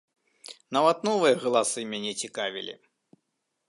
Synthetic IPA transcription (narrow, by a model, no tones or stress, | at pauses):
navɐt̪nɔvɨjɐɣɐlˠasɨmʲanʲɛt͡sʲikavʲḭlʲḭ